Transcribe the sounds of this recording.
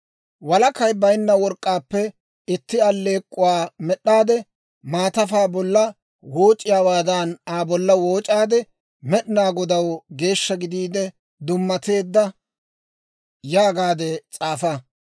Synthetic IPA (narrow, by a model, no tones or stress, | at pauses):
wɐlɐkɐjbɐjnːɐwɔɾkʼːaːpːɛ | ɪt̪ːɪɐlːe̞ːkʼːʊwaːmɛɗːaːd̪ɛ | maːt̪ɐfaːbɔlːɐ | wo̞ːt͡ʃʼːɪjaːwaːd̪ɐnaːbɔlːɐwo̞ːt͡ʃʼaːd̪ɛ | mɛɗɪnaːɡɔd̪ɐwɡe̞ːʃːɐɡɪd̪iːd̪ɛ | d̪ʊmːɐt̪e̞ːd̪ːɐ | jaːɡaːd̪ɛt͡sʼaːfa